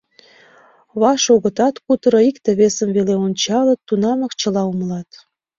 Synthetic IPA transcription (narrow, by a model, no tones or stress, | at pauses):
βɑʃoɣə̆t̪ɑt̪kut̪əɾoikt̪eβesəmveleonʲt͡ɕɑlə̆t̪ːunɑmə̆kt͡ɕə̆lɑumlɑt̪